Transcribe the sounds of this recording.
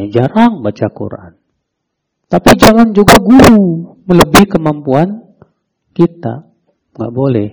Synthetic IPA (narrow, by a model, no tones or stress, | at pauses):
ad͡ʒaɾaŋbat͡ʃakṵɾa̰ʔan | t̪apid͡ʒaŋand͡ʒuɡaɡuɾu | mələbihkəmampuan | kit̪a̰ | ŋɡa̰ʔbolɛh